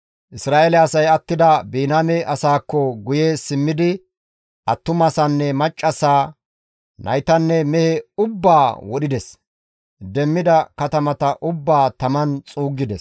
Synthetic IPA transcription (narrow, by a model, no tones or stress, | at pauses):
ʔɪsɾaːʔelɛɐsɐjɐt̪ːɪd̪ɐbiːnamɛʔɐsaːkːɔɡʊjeːsɪmːɪd̪ɪ | ʔɐt̪ːʊmɐsɐnːɛmɐt͡ʃʼːɐsaː | nʔɐ̰jt̪ɐnːɛmɛhɛʊbːaːwɔɗɪd̪ɛs | d̪ɛmːɪd̪ɐkɐt̪ɐmɐt̪ɐʔʊbːaːt̪ɐmɐnt͡sʼuːɡːɪd̪ɛs